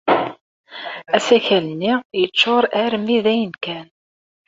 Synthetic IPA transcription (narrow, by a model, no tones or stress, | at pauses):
æsæçælənːijət͡ʃːoɾˤæɾmiðæjənkæn